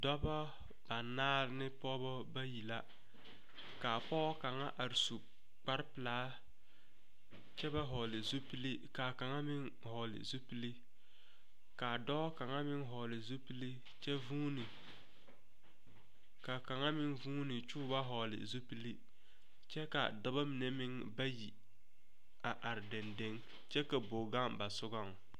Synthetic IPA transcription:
dɔ˦bɔ˦ | b̥a˨naː˦ɾnɪ˦pɔ˦bɔ˦ba˦ji˨la˦ | kaː˨pɔ˦ka˨ŋa̰˦ʔa˨ɾsu˨ | k͡pa˦ɾpɪ˨laː˨˦ | t͡ʃɛ˦ba˦ɦɔ˨lɪ˨zo˦pi˦li˦ka˨ka˨ŋa˦mɪ˦ŋ | hɔ˨lɪ̰˨zo˦pi˦li˦ | ka˨dɔ˦ka˨ŋa˦mɪ˦ŋɦɔ˨lɪ˨zu˦pi˦li˦ | t͡ʃɛ˦vuː˦nɪ˨ | ka˨ka˨ŋa˦mɪ˦ŋvuː˦nɪ˨t͡ʃuː˦ba˦ɦɔ˨lɪ̰˨zu˦pi˦li˦ | t͡ʃɛ˦ka̰˨da˦ba˦mɪ˨ne˦mɪ˦ŋ | ba˦ji˨ | a˨ʔa˨ɾɪ˨dɛ˨nde˦ŋ | t͡ʃɛ˦ka˨bo˨ɡa˦ŋba˨sʊ˦ɡa˦˨ŋ

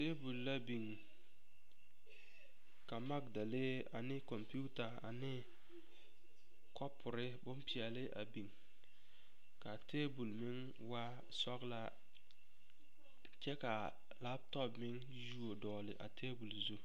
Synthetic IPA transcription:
teː˦bu˨lːa˦bi˨ŋ | ka˨ma˦kda˨le˦ | a̰˨nɪ˦kɔ˨mpu˦ta˨a̰˨nɪ˦ | kɔ˦pʰʊ˨ɾɪ˦bʊ˦mpi˨ɛ˨lɪ˦ʔa̰˨bi˨ŋ | ka˨tʰeː˦bu˨lmɪ˦ŋ | wa˦ | sɔ˦kla˦ | t͡ʃɛ˦ka˨ | la˦b̚tɔ˦pmɪ˦ŋ | ju˦o˨dɔː˨lɪ˨ʔa̰˨tʰeː˦bu˨lzu˦

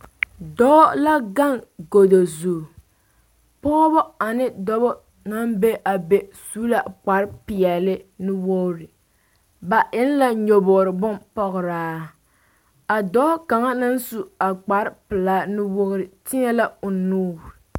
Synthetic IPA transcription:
dɔ˦la˦ɡa˦ŋɡo˨do˨zuː˨ | pɔ˦bɔ˦a˨nɪ˦dɔ˦bɔ˦ | na˦mbe˦ʔa˨be˨suː˦la˨k͡pa˨ɾɪ˦pɪ˨ɛ˨lɪ˦nɨ˦wo˦ɾɪ˨ | ba˨ʔɪ˦n˦la˦ɲo˨bɔ˨ɾɨ˨bʊ˦mpɔ˦ɣʊ˨ɾaː˦ | a˨dɔː˦ka˨ŋa˦na˦n˦su˨a˨k͡pa˨ɾɪ˦pɨ˨laː˦nɨ˦wo˦ɾɪ˨tɪ˦ɲɛ˦la˦ʊ˨nuː˦˨

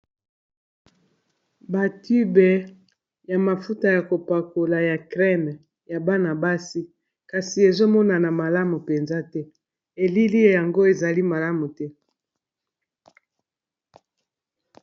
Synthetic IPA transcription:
ba˨ti˦bɛ˨ | ja˨ma˨fu˦ta˨ja˨ko˨pa˨ko˨la˨ja˨kʁɛ˦n˨ | ja˨ba˦na˨ba˦si˦ | ka˨si˨e˨zo˦mɔ˦na˨na˨ma˨la˦mu˨pe˨nza˦tɛ˦ | e˨li˦li˦ja˨ŋɡo˦e˨za˨li˦ma˨la˦mu˨tɛ˦

